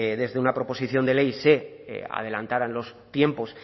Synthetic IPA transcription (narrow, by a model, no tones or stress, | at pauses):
ðe̞zðe̞unapɾopo̞siθjo̞nd̪e̞le̞jse̞ | a̰ð̞e̞lant̪aɾaenlo̞st̪je̞mpo̞s